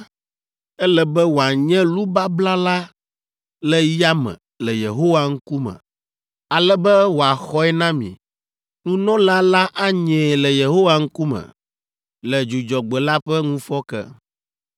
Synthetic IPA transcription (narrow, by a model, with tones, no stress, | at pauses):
ɛ˦lɛ˦bɛ˦wo˨a˨ɲɛ̃˦lu˦ba˦bla˦la˦ | lɛ˦ja˦mɛ̰̃˨ | lɛ˨je˨ɦo˦wa˦ŋ̩˦ku˦mɛ̰̃˨ | a˨lɛ˦bɛ˦wo˨a˨xɔ˦ɛ˦nã˦mḭ̃˨ | nũ˦nɔ̃˦la˦la˦ʔa˦ɲɛ̃˨lɛ˨je˨ɦo˦wa˨ŋ̩˦ku˦mɛ̰̃˨ | lɛ˨d͡ʒu˨d͡ʒɔ˨ɡ͡bɛ˨la˦ɸɛ˦ŋũ˦fɔ˦kɛ̰˦